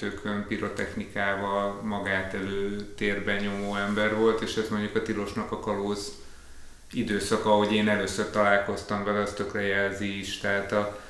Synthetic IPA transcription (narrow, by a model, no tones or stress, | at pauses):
t̪øːkʰømpiɾo̞t̪ɛ̰xnikaːvɒlmɒɡaːt̪ɛløːt̪eːrbɛɲo̞moːɛmbɛrvo̞lt̪eːʃɛzmo̞ɲɟukɒt̪ilo̞ʃnɒkɒkɒloːz | id̪øːsɒkɒɦo̞ɟeːnɛløːsørt̪ɒlaːlko̞st̪ɒmvɛlɒst̪ø̞krɛjɛlziiʃt̪ɛɦaːt̪ɒ